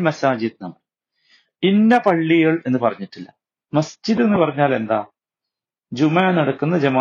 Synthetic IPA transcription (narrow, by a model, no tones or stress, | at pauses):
mɐsaːd͡ʑiðnɐmːɐɭ | inːɐpɐɭːiɣɐɭe̞nːɨpɐrɐɲːiʈːilːɐ | mɐsd͡ʑiðe̞nːɨpɐrɐɲːaːle̞nd̪a̰ː | d͡ʑumaːnɐɽɐkːunːɐd͡ʑɐmaː